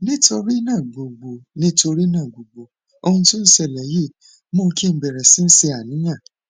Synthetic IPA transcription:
nĩ˦to˧ɾi˦nã˦˨ɡ͡bo˨ɡ͡bo˨nĩ˦to˧ɾi˦nãː˦˨ɡ͡bo˨ɡ͡bo˨ | o˧hũ˧tũ˦n̩˦sɛ˦˨lɛ˨˦je˦˨ | mo˦˧ki˦˧˨bɛ˨ɾɛ˨si˦n̩˦se˧a˨nĩ˨˦j̃ã˦˨

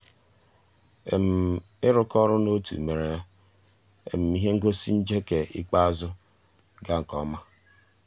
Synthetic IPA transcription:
ḛ˨m̩˨ | ɪ˦ɾʊ˦kɔ˦ɾʊ˦no˦tṵ˨me˨ɾe˨ja˦ | ḛ˨m̩˨mi˦ɦe˦ŋ̩˦ɡo˦si˦n̩˦d͡ʒe˦ke˨ḭ˦k͡pa˦a˦zʊ˦ | ɡa˦ŋ̩˨kɔ˦ma˦

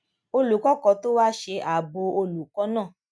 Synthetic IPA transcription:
o˧lu˨kɔ˦kɔ˨˦to˦wa˦ʃe˧ʔa˨bo˧o˧lu˨kɔ˨˦nãː˦˨

